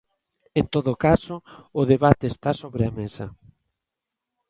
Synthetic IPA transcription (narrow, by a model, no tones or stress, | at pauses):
ent̪oðokasoːðeβat̪eːst̪asoβɾɪamesɐ